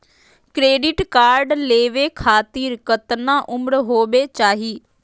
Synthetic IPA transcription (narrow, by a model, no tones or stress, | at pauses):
kɾeːɖɪʈkaːɾɖleːʋeːkʰaːt̪iːɾkət̪nãːʔʊmɽɦoːʋeːt͡ʃaːɦiː